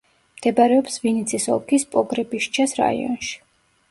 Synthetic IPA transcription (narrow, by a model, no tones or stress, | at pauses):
md̪̥ɛbaɾɛɔpsvinit̪sʰisɔ̰lˠkʰispʼɔɡɾɛbiʃt͡ʃʰasɾa̰ḭɔ̰nʃi̥